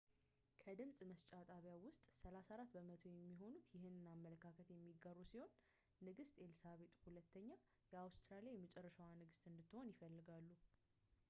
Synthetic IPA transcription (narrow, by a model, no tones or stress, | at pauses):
kʰəd̪ɨmsʼməst͡ʃʼat̪ʼaβjawʊst̪ʼsəlasaɾat̪ːbəmət̪ʰo̞jɛmːiɦo̞nut̪ʰjɪɦɨnɨnamːələkʰːakʰət̪jɛmːiɡːəɾusiho̞nː | ɨɡɨst̪ʼe̞lsaβe̞t̪ʼhulət̪ːəɲːa | jɛawst̪ʰɾalijajɛmːət͡ʃʼɛrːəʃawanɨɡɨst̪ʼɨnd̪ɨt̪ːɨho̞njɪfəlːɨɡalːu